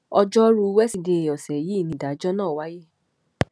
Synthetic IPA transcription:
ɔ˧d͡ʒɔ˦ɾu˧˦wɛ˦si˧˨de˧˨ɔ˨sɛ˨ji˦˨nĩ˨da˨˦d͡ʒɔ˦nãː˦˨wa˦je˦˨

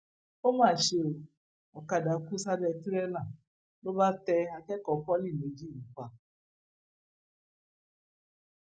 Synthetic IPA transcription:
o˦mãː˦˨ʃe˧o˨ | ɔ˨ka˨˧˨da˨˦ku˦sa˦dɛ˧˨ti˦ɾɛ˦lã˨ | lo˦ba˦tɛ˧a˧kɛ˦kɔ˨kɔ˦li˦˨me˨˦d͡ʒi˦˨ni˨kʷa˨

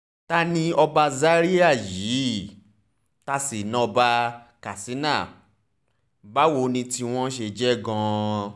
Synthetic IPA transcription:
ta˦nĩ˧ɔ˧ba˧za˦ɾi˦a˦˨jiː˨˦ | ta˧si˨nã˨˦˧ba˧ka˨si˨˦na˦˨ | ba˨˦wo˧˦nĩ˧ti˧w̃ɔ̃˦ʃe˧d͡ʒɛ˦ɡã˦˧

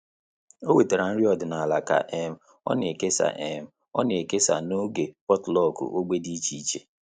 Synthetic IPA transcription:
o˦we˨te˨ɾa˨n̩˦ɾi˦ɔ˦˨dɪ˨na˨a˨la˨ka̰˨ʔe˨m̩˨ | ɔ̰˦ne˨ke˦sa̰˨ʔe˨m̩˨ | ɔ̰˦ne˨ke˦sa̰˨no˦ɡe˨pɔ˦tlɔ˦˨kṵ˨ʔo˦ɡ͡be˦di˦t͡ʃi˦t͡ʃḛ˨

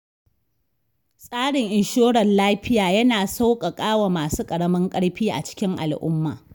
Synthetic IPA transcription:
sʼaː˦ɽɪ˨ŋʔɪ˨nʃoː˦ɽɐ˨nlaː˦ɸɪ˦jaː˨jɐ˦naː˨sa˦wkʼa˨kʼaː˦wa˨maː˨suː˦kʼɐ˨ɽɐ˦mɐ˦ŋkʼɐ˦ɽɸiː˦ʔa̰˨t͡ʃɪ̥˦kʲɪ˦ŋʔa̰˨lʔʊ̰˦mːa̰ː˨

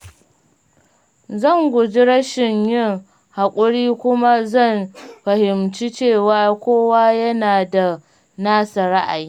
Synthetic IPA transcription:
zɐ˦˨ŋɡʷʊ˨d͡ʒi˦ɾɐ˦ʃɪ˨ɲjɪ˦˨ŋ | ha˨kʷʼʊ˦ɽiː˦kʷʊ˦ma˦zɐ˦˨mɸɐ˨hɪ˨mt͡ʃi˦t͡ʃeː˦˨waː˦kʷoː˦wa˦jɐ˦naː˨da˨ | naː˦sɐ˨ɾa˦ʔa˨jiː˦

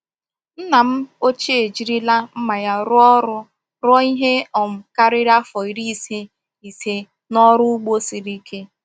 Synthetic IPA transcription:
n̩˦na˨m̩˦o˦t͡ʃe˦e˨d͡ʒi˨ɾi˦la˦m̩˦ma˨ja˦ɾʊ˦ɔ˦ɾʊ˦ | ɾɔ˦i˦ɦe˦ɔ˨m̩˨ka˦ɾɪ˦ɾa˦fɔ˨i˨ɾi˦˨se˦ | i˨se˦ | nɔ˦ɾʊ˦u˦ɡ͡bo˦si˨ɾi˦kʰe˦

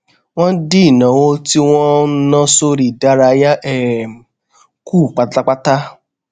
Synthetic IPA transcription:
wɔ̃˦n̩˦di˦˨nɔ̃˨wo˦ti˦w̃ɔ̃˦nɔ̃˦so˦ɾi˨da˦ɾa˧˦ja˦ʔɛ˦˨m̩˨ | kuː˦˨k͡pa˨ta˦ta˦k͡pa˦ta˦

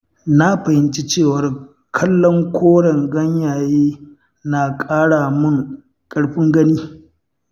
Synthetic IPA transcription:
na˦ɸɐ˨hɪ˦nt͡ʃi˦t͡ʃeː˦˨wɐ˨r | kʰɐ˦lːɔ˦ŋkʷʰoː˦ɽɐ˨ŋɡɐ˦ɲjaː˨jeː˦ | naː˨kʼaː˦ɽaː˨mʊ˦˨ŋ | kʼɐ˦ɽɸɪ˦ŋɡɐ˦niː˦

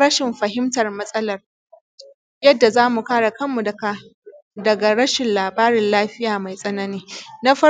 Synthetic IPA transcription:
ɾɐ˦ʃɪ˨mɸɐ˨ɦɪ˦mtɐ˨rmɐ˦sʼɐ˦lɐ˨r | jɐ˦dːa˨zaː˦mu˨kaː˦ɽa˨kɐ˦mːu˨dkdɐ˨ɡa˨ɽɐ˦ʃɪ˨nlaː˨baː˦ɾɪ˨nlaː˦ɸɪ˦jaː˨ma˨jsʼɐ˦nɐ˦niː˦na˦ɸɐ˦

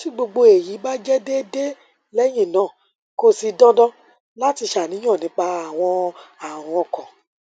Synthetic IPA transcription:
ti˦ɡ͡bo˧ɡ͡bo˧e˨ji˨˦ba˦d͡ʒɛ˦de˦de˦ | lɛ˦j̃ĩ˦˨nãː˨˦˨ | ko˦si˧dɔ̃˦dɔ̃˦ | la˦ti˧ʃa˨nĩ˨˦ɔ̃˦˨nĩ˨˦k͡pa˧a˨w̃ɔ̃˧a˨w̃ɔ̃˨˧ɔ˧˨kɔ̃˨

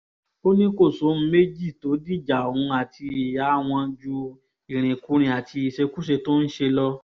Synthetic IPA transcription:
o˦nĩ˦ko˦˨so˨˦m̩˦me˦d͡ʒi˦˨to˨˦di˦˨d͡ʒa˨o˨hũ˨˧˦a˨tʰi˧i˨ja˨˦w̃ɔ̃˧d͡ʒu˧ | i˨ɾ̃ĩ˨ku˨˦ɾ̃ĩ˧a˨ti˧i˨ʃe˧ku˦ʃ̬e˧to˦n̩˦ʃe˧lɔ˧

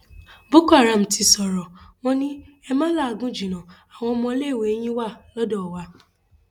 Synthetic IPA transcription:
bo˦ka˦˨ɾa˨m̩˨tʰi˧sɔ˨ɾɔ˨w̃ɔ̃˦nĩ˦ɛ˧mã˦la˦˨a˧ɡũ˦d͡ʒi˨nã˨a˨w̃ɔ̃˧ɔ˧mɔ̃˧˦le˦˨we˨˦j̃ĩ˦wa˦˨lɔ˦dɔ˦˨wa˧˦

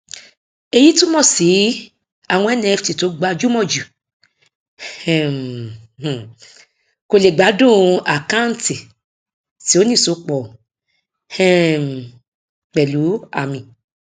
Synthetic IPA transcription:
e˧ji˦tũ˦mɔ̃˦˨si˨˦ | a˦˨w̃ɔ̃˧ɛ˦nĩ˦˧ɛ˧fti˨to˨˦ɡ͡ba˧d͡ʒu˦mɔ̃˦˨d͡ʒu˨ | ɛ̃˨ | ko˧le˨ɡ͡ba˨˦dũ˦˨a˨kã˦n̩˦ti˨ | ti˨˦o˦nĩ˦˨so˧˦k͡pɔ˨ | hɛ̃˦˨m˨ | k͡pɛ˨lu˨˦a̰˦˨mĩ˨

